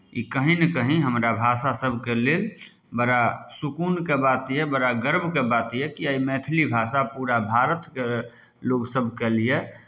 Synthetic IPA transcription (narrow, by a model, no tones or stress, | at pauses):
ikəɦinəkəɦĩɦəmɾabʱaːsasəbʱkelel | bəɾasukuːnkebat̪jɛbəɾaɡəɾbʱkebat̪ijɛkiəimɛːt̪ʰlibʱasapuɾabʱaːɾət̪ke | loɡsəbʱkelije